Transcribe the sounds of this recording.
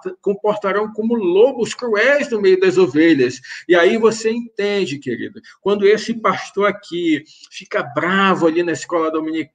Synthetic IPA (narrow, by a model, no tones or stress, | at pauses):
t̪ɐkõpoɾt̪aɾɐ̃w̃kõmʊlobʊskɾuɛjznʊmejʊd̪ɐzoveʎɐsiaivoseẽt̪ẽd͡ʒɪkeɾḭd̪ʊ | kwɐ̃nd̪ʊesɪpaʃt̪oɾaki | fikɐbɾavʊalinɐɪskɔlɐd̪omĩnik